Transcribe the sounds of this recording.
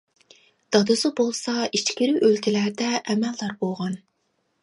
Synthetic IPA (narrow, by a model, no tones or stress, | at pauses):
d̪̥ɑd̪ɨsɨbolˠsɑit͡ʃkʲiɾyʔølt̪ʰilæɾd̪ɛʔɛmɛlːɑɾbolˠʁɑn